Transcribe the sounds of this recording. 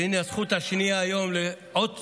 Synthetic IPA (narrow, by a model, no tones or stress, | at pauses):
ineazχut̪haʃniaːjo̞mle | ot̪